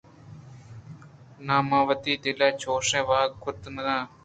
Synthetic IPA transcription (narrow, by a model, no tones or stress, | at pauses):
naːmaːʋət̪iːd̪ilaːt͡ɕoːʂẽːʋaːɡkʰʊt̪nɐɡãː